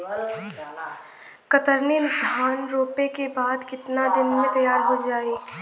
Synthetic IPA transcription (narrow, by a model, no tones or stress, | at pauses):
kɐt̪əɾnid̪ʱaːnɾoːpekebaːd̪kɪt̪nad̪ɪnmẽt̪ɐjaːɾɦod͡ʒaːeː